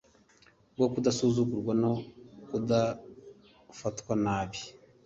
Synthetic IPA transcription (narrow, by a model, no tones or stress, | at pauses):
ɡokudasuːzukuɾɡwano̞kuda | fatwanaːβi